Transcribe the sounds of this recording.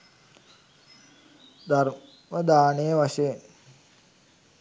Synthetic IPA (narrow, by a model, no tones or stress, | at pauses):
d̪ʱaɾ | məd̪aːnejəʋaʃeːn